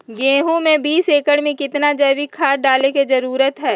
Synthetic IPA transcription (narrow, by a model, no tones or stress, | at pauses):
ɡẽːɦũmẽbiːseːkəɽmẽkɪt̪nad͡ʒɐjʋikʰaːɾɖaːleked͡ʒɐɾuːɾət̪ɦɛː